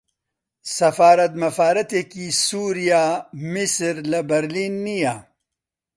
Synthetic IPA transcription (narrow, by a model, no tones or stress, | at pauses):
sɐfaːɾɐt̪mɐfaːɾɐt̪ekisuːɾijaːmisɾlɐbɐɾliːnːija